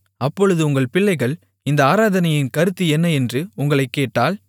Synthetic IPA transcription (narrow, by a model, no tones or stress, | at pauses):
ɐpːɔɻɯðɯʊŋɡɐɭpɪɭːɐɪɣɐɭ | ɪnd̪ɐaːɾaːðɐnɐjɪnkɐɾɯt̪ːɯɛnːɐɛndrɯʊŋɡɐɭɐɪkːeːʈːaːl